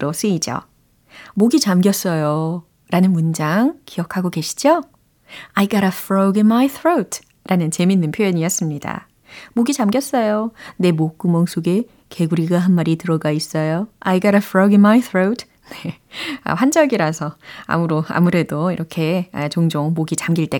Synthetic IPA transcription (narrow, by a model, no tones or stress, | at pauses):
ɾos͈ɯid͡ʑo̰ | moɡit͡ɕamɡjʌs͈ʌjo | ɾanɯnmund͡ʑaŋkijʌkʰaɡoke̞ɕʰi̥d͡ʑo | ajɡaɾafɾoɡinmajθʰɾowtʰ | ɾanɯnt͡ɕe̞minːɯnpʰjojʌɲiʌs͈ɯmɲida̰ | moɡit͡ɕamɡjʌs͈ʌjone̞mok͈umʌŋsʰoɡe̞ | ke̞ɡuɾiɡaɦanmaɾitɯɾʌɡais͈ʌjoa̰jɡaɾafʰɾoɡinmajtʰɾotʰ | ne̞ | a̰ɸwand͡ʑʌɡiɾasʰʌa̰muɾoa̰muɾe̞doiɾʌkʰe̞ʌt͡ɕoŋd͡ʑoŋmoɡit͡ɕamɡiɭt͈e̞